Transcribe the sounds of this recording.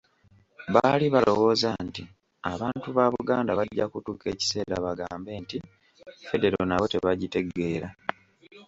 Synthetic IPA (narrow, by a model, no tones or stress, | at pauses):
βaːliβalo̞wo̞ːzanti | aβaːntuβaβuɡaːndaβaɟːakutuːke̞ːci̥se̞ːɾa̰βaɡa̰ːmbe̞ːnti | fe̞de̞ɾo̞naβo̞te̞̰βaɟite̞ɡe̞ːɾa